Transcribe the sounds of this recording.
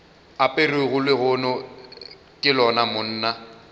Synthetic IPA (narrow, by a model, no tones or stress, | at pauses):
apʼeruɣʊlɪɣʊnɔ | kʼɪlɔnamʊn̩ːna